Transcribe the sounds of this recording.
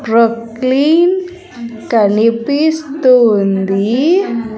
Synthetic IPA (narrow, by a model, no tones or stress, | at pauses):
pɾok | lin | kanipist̪ond̪i